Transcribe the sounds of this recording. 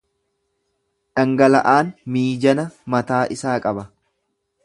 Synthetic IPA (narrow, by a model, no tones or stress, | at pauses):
ᶑɐŋɡɐlɐʔaːnmiːd͡ʒɐnɐmɐt̪aːʔɪsaːkʼɐbɐ